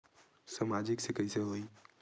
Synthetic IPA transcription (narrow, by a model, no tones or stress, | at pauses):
samad͡ʒɪksekəjseɦoi